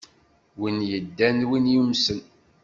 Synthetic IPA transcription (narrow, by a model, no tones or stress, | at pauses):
winjəd̪ːænwinjumsən